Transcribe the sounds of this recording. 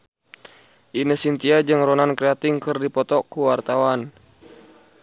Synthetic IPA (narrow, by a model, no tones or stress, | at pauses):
ʔinəsint̪iad͡ʒɨŋɾɔnankɾɛat̪ɪŋkɨrdipɔt̪ɔkuwart̪awan